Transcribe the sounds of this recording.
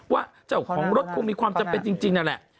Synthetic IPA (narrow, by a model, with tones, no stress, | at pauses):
waː˥˩t͡ɕa˨˩wkʰɔː˩˦ŋɾo˦˥t̪̚kʰu˧ŋmiː˧kwaː˧mt͡ɕa˧mpe˧nt͡ɕi˧ŋt͡ɕi˧ŋna˧˥nlɛ̰˨˩ʔ